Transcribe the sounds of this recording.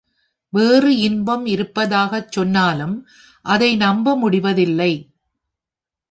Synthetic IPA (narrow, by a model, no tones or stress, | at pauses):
ʋeːrɯɪnbɐmɪɾɯpːɐðaːɣɐt͡ʃːɔnːaːlɯm | ʔɐðɐɪnɐmbɐmʊɽɪʋɐðɪlːɐɪ